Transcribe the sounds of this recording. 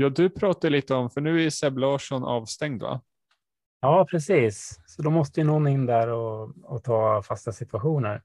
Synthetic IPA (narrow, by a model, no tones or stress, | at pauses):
jɑːd̪ɵpʰɾɑːt̪aɭiːt̪əɔmfœɳʉ̟ːæjsɛblɑːʂɔnʔɑ̰ːvst̪ɛŋd̪va̰ | jɑːpʰɾɛsiːssɔd̪ɔmɔst̪əjənɔnːɪnːd̪æɾɔɔt̪ʰɑːfast̪asɪt̪ʉaɧuːnəɾ